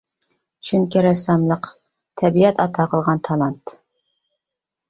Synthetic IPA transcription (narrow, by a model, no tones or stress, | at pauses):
t͡ʃʰyŋkʲiɾɛsɑmlˠəq | t̪ʰɛbiɛt̪ɑt̪ʰɑqʰəlˠʁɑnt̪ʰɑlˠɑnt̪